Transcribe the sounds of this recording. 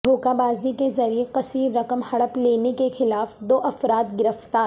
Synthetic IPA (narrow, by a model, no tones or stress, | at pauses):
d̪ʱoːkabaːzikezɐɾieqɐsiːɾːɐkəmhɐɽəpleːnekexɪlaːfd̪oːʔɐfɾaːt̪ɡɪɾəft̪aːɾ